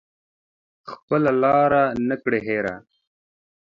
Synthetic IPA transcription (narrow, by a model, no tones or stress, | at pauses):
xpəlalɑːɾanəkɽeɦeːɾa̰